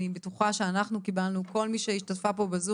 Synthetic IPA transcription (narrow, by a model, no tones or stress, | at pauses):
ibetuχaʃeanaχnukibalnuko̞lmiʃeiʃtatfapo̞bezu